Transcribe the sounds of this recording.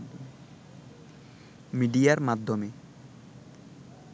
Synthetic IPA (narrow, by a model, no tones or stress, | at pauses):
miɖijaɾmad̪ʱːome